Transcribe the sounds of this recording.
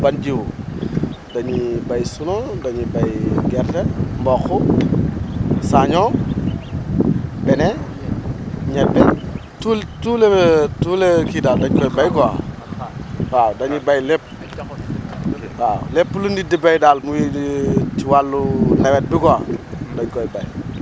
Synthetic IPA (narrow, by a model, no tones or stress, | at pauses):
band͡ʒiwu | daɲibajsunodaɲibajɡɛɾtembɔːxu | saɲɔ | bɛne | ɲɛdːɛ | tultuletulekidaːldaɲkɔjibajkɔa̰ | fawdaɲibajlepː | fawlepːulundidibajdaːlmujitiwalːunɛwɛt̚bikɔa̰daɲkɔjbaj